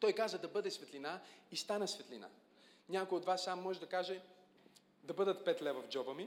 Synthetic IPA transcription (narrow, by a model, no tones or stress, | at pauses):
t̪ɔjkazəd̪ɐbɤd̪ɛsvɛt̪linaist̪anəsvɛt̪lina̰ | nʲakojot̪vasːamːɔʒɛd̪ɐkaʒɛ | d̪ɐbɤd̪ət̪pɛt̪lɛvɐvd͡ʒɔbəmi